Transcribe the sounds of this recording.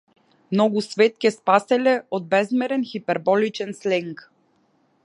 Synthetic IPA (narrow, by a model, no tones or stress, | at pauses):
mnɔɡusvɛt̪̚kʲɛspasɛlɛod̪̚bɛzmɛɾɛnxipɛɾbɔlit͡ʃɛnslɛŋk